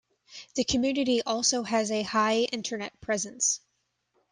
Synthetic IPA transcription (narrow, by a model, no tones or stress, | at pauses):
ðɨkʰɨmjʉnɨɾiʔɔlˠsoʊɨzɨhaɪɪ̃ntʰə˞nɛt̚pʰɹ̥ɛzɨ̃ns